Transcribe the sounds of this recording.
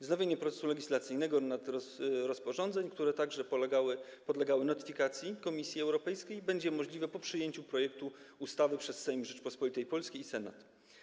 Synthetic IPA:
znavʲjeɲɛpɾɔt̪sɛ̥sulɛɡʲislat̪sɘjnɛɡɔnat̪ɾɔspɔʐɔnd̪zɛɲkt̪uɾɛt̪aɡʐɛawpɔd̪lɛɡawɘnɔt̪ɘ̥fʲikat̪sʲjikɔmʲisʲjiɛwɾɔpɛjskʲejbɛɲd͡ʑɛmɔʐlʲivɛpɔpʂɘjeɲt͡ɕupɾɔjɛkt̪u | ust̪avɘpʂɛsːɛjmʐɛt͡ʂpɔspɔlʲit̪ɛjpɔlskʲiːsɛna̰t̪

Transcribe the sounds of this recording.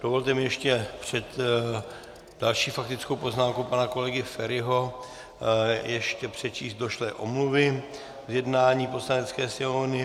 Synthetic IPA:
d̥ovo̞lt̪ɛmɪjɛʃcɛpr̝̥ɛt̪ | d̥alʃiːfak̚t̪ɪt͡skowpo̞znaːmkowpanako̞lɛɡɪfɛɾɪɦo̞ | jɛʃcɛpr̥ɛt͡ʃiːst̪do̞ʃlɛʔomluvɪ | zjɛdnaːɲiːpo̞slanɛt͡skɛːsɪonɪ

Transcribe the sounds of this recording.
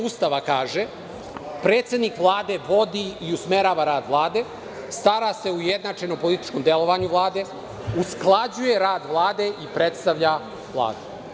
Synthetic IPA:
ust̪aʋakaːʒe | pɾe̞ːt̪sed̪nikʋlˠaːd̪e̞ʋo̞d̪iiusmeɾaːʋaɾaːd̪ʋlˠaːd̪e̞ | st̪aɾase̞uujed̪nat͡ʂeno̞mpolit̪i̥t͡ʃko̞md̪elo̞ʋaɲuʋlˠaːd̪e̞ | usklˠad͡ʑuje̞ɾaːd̪ʋlˠaːd̪e̞ʔipɾet̪st̪aʋʎa | vlˠa̰ːd̪u

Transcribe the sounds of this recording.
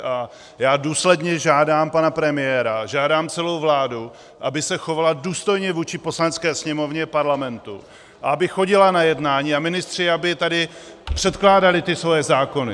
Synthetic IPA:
ʔa | jaːduːslɛdɲɛʒaːdaːmpanapɾɛmɪjɛɾaʒaːdaːmt͡sɛlo̞wvlaːdu | ʔabɪsɛxo̞valaduːst̪o̞jɲɛvuːt͡ʃɪpo̞slanɛt͡skɛːsɲɛmo̞vɲɛpaɾlamɛnt̪ṵ | ʔaabɪxo̞ɟɪlanajɛdnaːɲiːamɪnɪst̪r̝̥ɪabɪt̪adɪ | pr̝̥ɛt̪klaːdalɪt̪ɪsvo̞jɛzaːko̞nɪ

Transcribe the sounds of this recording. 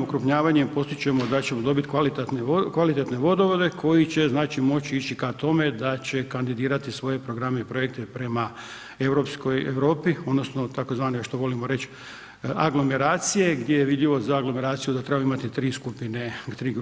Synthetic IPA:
okɾupɲaːʋaɲempo̞st̪it͡ɕe̞mo̞d̪at͡ɕe̞mod̪o̞bit̪kʋalit̪et̪nekʋalit̪e̞t̪ne̞ʋo̞d̪oʋod̪e̞kʰo̞jit͡ɕe̞znaːt͡ɕimo̞t͡ɕiit͡ɕikat̪o̞me̞d̪at͡ɕe̞kand̪id̪iːɾat̪isʋo̞je̞pɾo̞ɡɾameipɾo̞jek̚t̪e̞pɾe̞ma | e̞ʋɾo̞ːpsko̞jḛʋɾo̞ːpio̞d̪no̞sno̞t̪ako̞zʋaːniaʃt̪o̞ʋo̞limo̞ɾe̞t͡ɕ | a̰ɡlo̞me̞ɾaːt̪sije̞ɡd̪ʲje̞jeʋid̪ʎiʋo̞zaːɡlo̞me̞ɾaːt̪sijud̪at̪ɾe̞bajuimat̪it̪ɾiːskupine̞t̪ɾiːɡ

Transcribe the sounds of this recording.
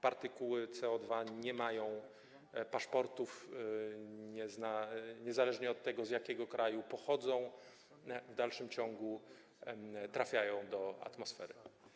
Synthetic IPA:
paɾt̪ɘkuwɘt̪sɛɔd̪vaɲɛmajɔ̃w̃ | paʂpɔɾt̪uf | ɲɛznaɲɛzalɛʐɲɛɔt̪ːɛɡɔzjakʲɛɡɔkɾʔajupɔxɔd̪zɔ̃w̃ | vd̪alʂɘmt͡ɕɔ̃ŋɡu | t̪ɾafʲjajɔ̃w̃d̪ɔa̰t̪mɔsfɛ̰ɾɘ

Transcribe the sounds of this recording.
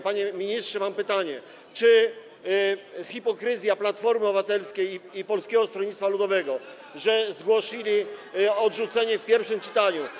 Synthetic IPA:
paɲɛmʲiɲistʂɛmampɘt̪aɲɛ | t͡ʂɘ | xipɔkɾɘzʲjaplat̪fɔɾmɘɔvat̪ɛlskʲejipɔlskʲɛɡɔst̪ɾɔɲʲit̪t̪falud̪ɔvɛɡɔ | ʐɛzɡwɔɕilʲiɔd̪ʐut̪sɛɲɛfpʲjɛɾfʂɘmt͡ʂɘ̥t̪aɲu

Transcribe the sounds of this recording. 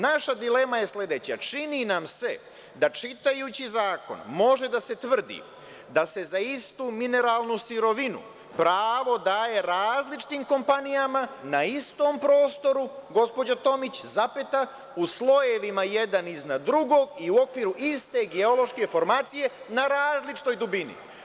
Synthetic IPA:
naʃad̪ile̞maje̞sle̞d̪e̞t͡ɕat͡ʃininamse̞̰ | d̪at͡ʃit̪ajut͡ɕizaːko̞̰nmo̞ʒe̞d̪ase̞t̪ʋr̩d̪ḭ | d̪ase̞zaist̪uːmine̞ɾaːlˠnusiɾo̞ʋinṵ | pɾaːʋo̞d̪aːje̞ɾaːzlit͡ʃi̥t̪iːmko̞mpanijamanaist̪o̞ːmpɾo̞ːst̪o̞ɾuɡo̞spo̞d͡ʑat̪o̞mit͡ɕzapet̪a | uslˠo̞je̞ʋimaje̞d̪aniznad̪d̪ɾuɡo̞ːɡiuo̞kʋiːɾuʔist̪e̞ɡeo̞lo̞ʃke̞fo̞ɾmaːt̪sije̞ | naɾaːzlit͡ʃi̥t̪o̞jd̪ubinḭ

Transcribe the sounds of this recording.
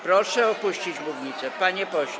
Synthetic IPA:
pɾɔʂɛɔpuɕt͡ɕid͡ʑbuvɲit̪sɛpaɲɛpɔɕ

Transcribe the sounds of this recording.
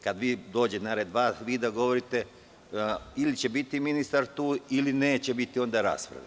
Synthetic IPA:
kad̪ʋiːd̪o̞ːd͡ʑet̪naɾed̪ʋaːsʋiːd̪aɡo̞ʋo̞ɾit̪e̞ | ilit͡ɕe̞bit̪iminist̪aɾt̪uːilineːt͡ɕe̞bit̪io̞nd̪aɾa̰ːspɾa̰d̪ḛ

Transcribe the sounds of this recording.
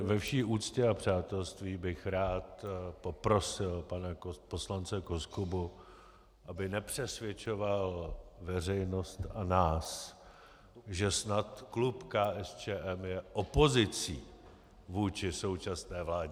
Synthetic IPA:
vɛfʃiːʔuːt͡scɛapr̝̥aːt̪ɛlst̪viːbɪxɾaːt̪po̞pɾo̞sɪlpanapo̞slant͡sɛkoskubu | ʔabɪnɛpr̝̥ɛsvjɛt͡ʃo̞valvɛr̝ɛjno̞st̪anaːs | ʒɛsnat̪klupkaːʔɛst͡ʃɛːʔɛmjɛʔopo̞zɪt͡siː | vuːt͡ʃɪso̞wt͡ʃasnɛːvlaːɟɛ

